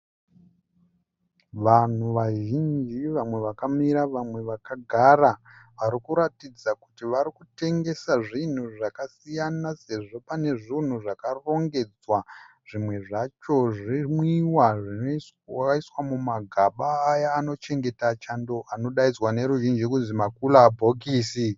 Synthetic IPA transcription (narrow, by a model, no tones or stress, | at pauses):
ʋan̤uʋaʒind͡ʒiʋamwe̞ʋakamiɾaʋamwe̞ʋakaɡʱaraʋaɾikuɾatid͡zaku̥tiʋaɾikute̞ŋɡe̞saʐin̤uʐakasijanase̞ʐo̞pane̞ʐin̤uʐakaro̞ŋɡe̞d͡zwa | ʐ̥imwe̞ʐat͡ʃo̞ʐimwiwaʐi | aiswamumaɡʱaɓaːjaːno̞t͡ʃe̞ŋɡe̞tat͡ʃando̞ʔano̞ɗaid͡zwane̞ɾuʒind͡ʒikunzimakulabʱokiːsi